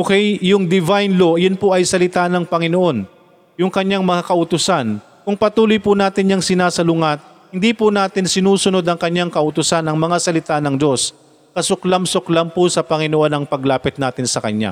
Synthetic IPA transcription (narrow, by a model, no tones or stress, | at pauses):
ʔokɛjjʊŋd̪ɪvajnlo̞ʔɐjonpoʔɐjsɐlɪt̪anɐŋpɐŋɪnoʔo̞n | jʊŋkɐɲːaŋmɐŋakɐʔʊt̪ʊsan | kʊŋpɐt̪uːlʊjpʊnaːt̪ɪnːjɐŋsɪnasɐlʊŋat̪̚ | hɪnd̪ipʊnaːt̪ɪnsɪnuːsʊno̞d̪ɐŋkɐɲːaŋkɐʔʊt̪ʊsanɐŋmɐŋasɐlɪt̪anɐŋd͡ʒo̞s | kɐsʊklamsʊklampʊsɐpɐŋɪnoʔo̞nɐŋpɐɡlaːpɪt̪̚naːt̪ɪnsɐkɐ̰ɲa̰